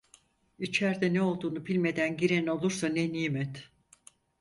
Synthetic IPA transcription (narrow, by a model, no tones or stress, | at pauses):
it͡ʃʰæɾd̪ɛnɛo̞lˠd̪uːnupʰilʲme̞d̪ænɟiɾeno̞lˠuɾsaneniːmɛt̪